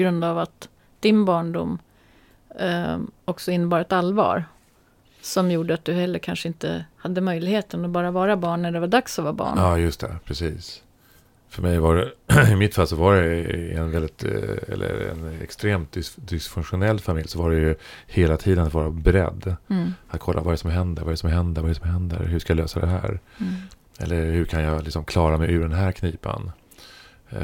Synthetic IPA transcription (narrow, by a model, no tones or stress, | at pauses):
ɔɡɾɵnd̪avat̪ | d̪̥ɪnbɑːɳɖʊ̰mː | ɔksɔɪnːəbɑːɾaɛt̪alvɑ̰ːɾ | sɔmjuːɖəat̪̚d̪ɵhɛlːəɾkʰanʂəɪnt̪ə̰had̪ːəmœjlɪɡheːt̪ənɔbɑːɾavɑːɾabɑːɳːæɖɛvaɖ̪aksɔvɑːbɑ̰ːɳɑːjɵst̪ʰɛ̰pʰɾɛsiːs | fœɾmɛjvaɾɛɪmɪt̪falsɔvaɖɛɛnvɛld̪ɪt̪ɛ̰lːə̰ɾɛ̰nɛ̰kst̪ɾeːmt̪̚ɪd̪ɪsfɵŋkɧʊnɛlːfamɪljːsɔvaɖɛjɵheːlat̪ʰiːd̪ənat̪vɑːɾabɛɾɛ̰d̪ːat̪̚kʰɔlːavaɾɛɾsɔmɦɛnd̪əɾvaɾɛɾɛsɔmɦɛnd̪əɾvaɾɛɛsɔmɦɛnd̪ə̰ɾɦɵʂkajaløːsad̪ɛɦæ̰ːɾ | ɛ̰lːəɾhɵɾkʰanjɑlɪksɔmkʰlɑːɾamɛjʉɖɛnɦæːɾkʰniːpa̰n